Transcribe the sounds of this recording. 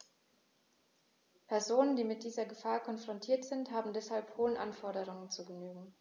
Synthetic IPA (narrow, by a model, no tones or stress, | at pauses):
pʰɛɐzoːnəndiːmɪt̚d̥iːzɐɡəfaːɐkʰɔnfʁ̥ɔntʰiːɐtz̥ɪnthaːbm̩dɛshalphoːənʔanfɔɐɾəʁ̞ʊŋənt͡suːɡənyːɡŋ̩